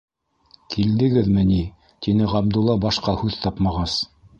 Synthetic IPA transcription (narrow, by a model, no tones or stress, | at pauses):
kʰild̪ɘ̆ɡɘðmɘ̆ni | t̪inɘʁɑbd̪ulˠːɑbɑʃqɑhʉðt̪ɑpmɑʁɑs